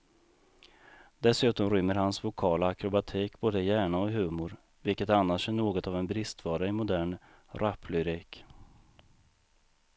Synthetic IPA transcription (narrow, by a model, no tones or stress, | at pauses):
d̪ɛsʉ̟ːt̪ɔmɾʏmːəɾhansvʊkʰɑːlaːkɾʊbat̪ʰiːkboːd̪əɪjæːɳaɔɦʉ̟ːmʊɾ | vɪlkət̪anːaʂæɳoːɡɔt̪avɛnbɾɪst̪vɑːɾaɪmʊd̪æːɳ | ɾapʰːlʏɾiːk